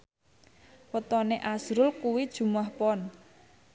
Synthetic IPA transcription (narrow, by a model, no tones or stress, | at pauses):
pət̪ɔneʔazɾʊlkuwid̥ʒ̥ṳmahpɔn